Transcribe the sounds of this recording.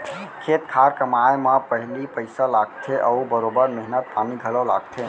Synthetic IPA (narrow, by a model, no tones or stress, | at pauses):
kʰet̪kʰaɾkəmajmepəɦlipəɪsalaɡt̪ʰeʔəubəɾobəɾmeɦnət̪̚pʰamiɡʱələla̰ɡ̚t̪ʰe